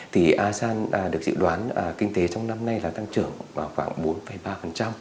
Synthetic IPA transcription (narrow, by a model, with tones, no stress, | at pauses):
t̪ʰi˨˩ʔaː˧saː˧nː˨˩ɗɨ˨˩ək̚zɨ̰˧˨ɗwaː˨˦nː˨˩kï˧ŋ̟t̪e˨˦t͡ɕɔ˧wŋ͡mna˧mna˧jlaː˨˩t̪a˧ŋt͡ɕɨ˧˩əŋvaː˨˩wxwaː˧˩ŋɓo˨˦nfə˨˩jɓaː˧fə˨˩nt͡ɕa˧m